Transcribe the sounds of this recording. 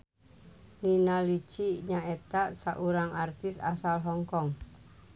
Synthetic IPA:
linalit͡ʃiɲaʔɛt̪asaʔuɾaŋart̪isa̰salɦɔŋkɔŋ

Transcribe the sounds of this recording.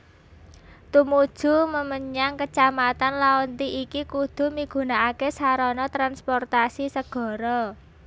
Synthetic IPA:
t̪umud̥ʒ̥ṳməməɲaŋkət͡ʃamat̪anlaɔnt̪iʔikikud̪̥ṳmiɡ̥ṳnaakesaɾɔnɔt̪ɾanspɔrt̪asisəɡ̥ɔ̤ɾɔ

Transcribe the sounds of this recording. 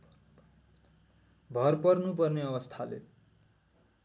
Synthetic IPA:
bʱʌrpʌrnupʌrneʌβʌst̪ʰalḛ

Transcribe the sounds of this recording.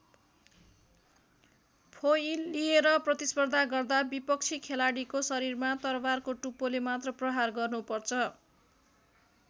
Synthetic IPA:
pʰojjlieɾʌprʌt̪ispʌrd̪ʱaɡʌrd̪abipʌk̚t͡sʰikʰelaɽikosʌɾirmat̪ʌrbarkoʈupolemat̪rʌprʌɦarɡʌrnupʌrt͡sʰʌ

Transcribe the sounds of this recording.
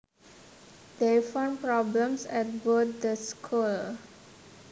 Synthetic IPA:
d̪efãnpɾɔblə̃msɛt̚bot̪̚d̪əskʰul

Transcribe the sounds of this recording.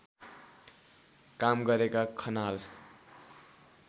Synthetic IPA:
kamɡʌɾekakʰʌnal

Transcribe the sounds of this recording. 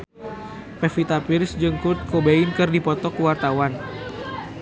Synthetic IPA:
pɛfit̪apirsd͡ʒɨŋkut̪̚kobeinkɨrdipɔt̪ɔkəwart̪awan

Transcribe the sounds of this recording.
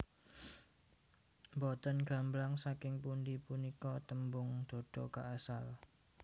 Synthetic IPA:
mbɔt̪ənɡ̥a̤mblaŋsakɪŋpundipunikɔt̪əmbʊŋd̪̥o̤ɖ̥ɔkaʔasal

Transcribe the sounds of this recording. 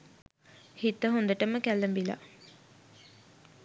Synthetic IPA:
hit̪ːəɦund̪əʈəməkælːəmbila̰

